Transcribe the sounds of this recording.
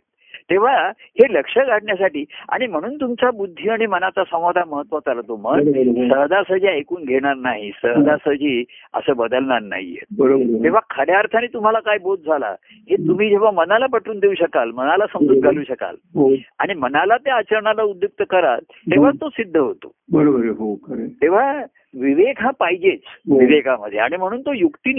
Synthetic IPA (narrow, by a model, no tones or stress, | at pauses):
t̪eʋ̤aheləkʂəɡʱaʈɳjasaʈiːa̰ɽ̃im̤əɽ̃uːnt̪umt͡ɕabud̪ʱːiːaɽ̃imənat͡sasə̃w̃ʋad̪ʱaməɦət̪ʋət̪aɾət̪oməsəɦd̪ʱasəd͡ʑiajkuːnɡʱeɽ̃aɾnaɦisəɦd̪ʱasəd͡ʑiːə̰səːbəd̪əlɳaɾna̰ɦḭjḛt̪̚bəɾt̪eʋ̤akʰəɽjaɾt̪ʰaniːt̪um̤alakajbod̪̚d͡zʱala̰ | ɦet̪um̤iːd͡ʑeʋ̤amənalapəʈʰuːnd̪euɕəkalmənalasəmd͡z̪ut̪̚ɡʱaluːɕəka̰lɦoa̰ɽ̃imənalat̪jaːt͡ɕəɾɳalaud̪juk̚t̪əkəɾa̰l | t̪eʋ̤at̪osid̪ʱːəɦot̪o̰bəɾobəɾɦokəɾet̪eʋ̤a | ʋiʋekɦãpaɦid͡ʑet͡sʋiʋekaməd̪ʱːjeaɽ̃im̤əɽ̃uːnt̪ojukt̪in